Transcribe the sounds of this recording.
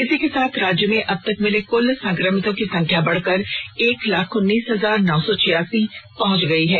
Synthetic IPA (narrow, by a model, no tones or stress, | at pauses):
ɪsikesaːt̪ʰɾaːd͡ʒjəmẽʔɐb̚t̪ɐkmɪlekʊlsɐ̃ŋkɾəmɪt̪õkisɐ̃ŋkʰjabɐɽ̤kɐɾeːklaːkʰʊnːiːsɦɐzaːɾnɔːsɔt͡ʃʰɪjaːsipɐɦʊ̃t͡ʃɡɐiɦɛː